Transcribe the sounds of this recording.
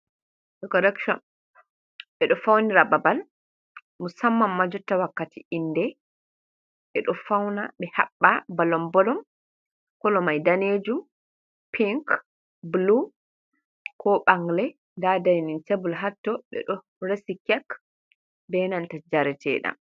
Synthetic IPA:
ɗɛkɔɾɛkʃɔn | ɓɛɗɔfawniɾababal | musamːamːad͡ʒɔtːawakːatiʔindɛ | ɓɛɗɔfawnaɓɛha̰ɓːabalɔmbɔlɔm | kɔlɔmajdaned͡ʒum | piŋk | blu | kɔɓaŋɡlɛ | ndadajnintebulɦatːɔɓɛ̰ɗɔ | ɾesikɛk | bɛnantad͡ʒaɾɛtɛ̰ːɗa̰m

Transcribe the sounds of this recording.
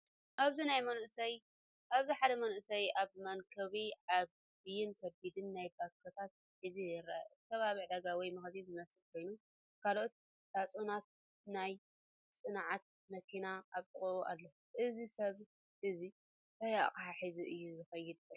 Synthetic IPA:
ʔaβzinajmɐnʔɨsɐj | ʔaβziħad̪ɐmɐnʔɨsɐjaβmɐŋkʰɐβiʕaβːijɪnkʰɐbid̪ɨnːajbakʰːɐt̪ʰat̪̚ | ħizijɪɾak̪ʰɐβaβiʕd̪aɡawijmɐxzizɨmɐsɨlkʰo̞jnu | kʰalʔot̪̚ | d̪̥at͡sʼunat̪̚ | naj | t͡sʼɨnʕat̪̚ | mɐkʰinaaβt̪ʼɨχʼuʔuʔa̰lːɐuʔɨzisɐβ | ʔɨzi | t̪ɐja̰χʼaħaħizuʔɨjːuzɨxɐjːɪd̪̚bɐ

